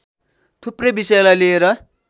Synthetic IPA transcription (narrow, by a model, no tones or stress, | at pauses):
t̪ʰuprebisʌjlalieɾʌ